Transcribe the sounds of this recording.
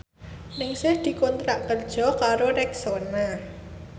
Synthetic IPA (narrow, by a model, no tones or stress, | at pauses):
nɪŋsɪhd̪̥i̤kɔnt̪ɾaʔkərd̥ʒ̥ɔ̤kaɾoɾɛksona